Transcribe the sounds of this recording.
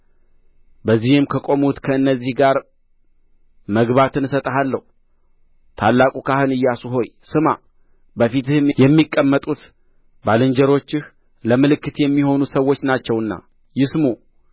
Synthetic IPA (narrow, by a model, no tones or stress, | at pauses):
bəzːihɨmkʰəkʼo̞mut̪kʰəɨnːəzːihɡaɾ | məɡβat̪ʰɨnsət̪ʼəɦalːəhu | t̪ʰalːakʼukʰahɨnɨjːasuɦo̞jsɨma | bəfit̪ɨhɨmjɛmːikʼːəmːət̪ʼut̪ | balɨnd͡ʒəɾo̞t͡ʃːɪh | ləmɨlɨkːɨt̪jɛmːiho̞nusəwːo̞t͡ʃːnat͡ʃːɛwɨnːa̰ | jɪsmu